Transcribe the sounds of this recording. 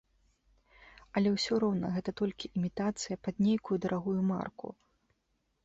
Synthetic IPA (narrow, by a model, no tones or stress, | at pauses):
ɐlʲɛwsʲɔɾɔwnɐ̰ɣɛt̪ɐt̪ɔlʲkʲiʔimʲit̪at̪sɨjɐpad̪nʲejkujud̪ɐɾʔaɣujuma̰rkṵ